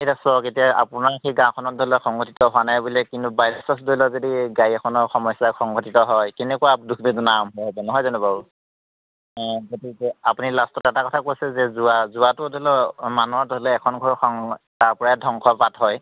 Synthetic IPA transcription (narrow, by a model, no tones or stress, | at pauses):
etɔsɔketijaa̰pʊnaɹxejɡãw̃kʰɔnɔt̚dʱɔilɔxɔŋɡɔtitɔɦʊanajbulɛkintubajɹɔsɔsdojlɔzodiɡajɛkʰɔnɔɹxɔmɔjsaxɔŋɡʱɔtitɔɦɔjkenɛkuwadukʰbidnamɦɔɦɔbɔnɔɦɔjzɔnuba | ɡotikɛapunilastɔtɛtakɔtʰakojsɛzɛzuazʊatʊdolɔmanuadɔlɛɛkʰɔnɡʱɔɹxɔŋtaɹpɔɹaɛdʱɔŋkʰɔpatɦɔj